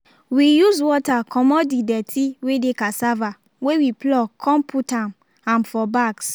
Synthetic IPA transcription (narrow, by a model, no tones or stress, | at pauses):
wijuzwɔtakʰɔmɔdidɛtʰiwedekasava | wewiplɔkʰɔ̃mpʰutãm | ãnfɔbaks